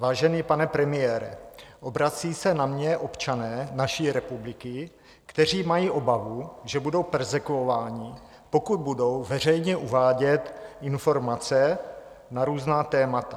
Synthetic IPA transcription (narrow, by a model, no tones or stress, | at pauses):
vaːʒɛniːpanɛpɾɛmɪjɛːɾɛ̰ʔo̞bɾat͡siːsɛnamɲɛʔo̞pt͡ʃanɛːnaʃiːɾɛpublɪkɪ | kt̪ɛr̝iːmajiːʔo̞bavuʒɛbudo̞wpɛɾzɛkuovaːɲɪ | po̞kud̪̚budo̞wvɛr̝ɛjɲɛʔuvaːɟɛt̪ɪnfo̞ɾmat͡sɛ | naɾuːznaːt̪ɛːmat̪a